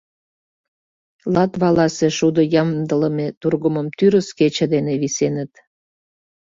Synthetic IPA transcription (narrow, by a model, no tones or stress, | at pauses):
lɑt̪βɑlɑseʃud̪ojɑmd̪ələmet̪urɣəməmt̪yɾəsket͡ɕəd̪eneβisenət̪